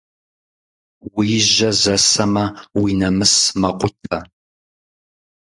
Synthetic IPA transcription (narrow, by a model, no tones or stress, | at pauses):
wiʒɐzɐsɐmɐwinɐmɨsmɐqʷʊtʰɐ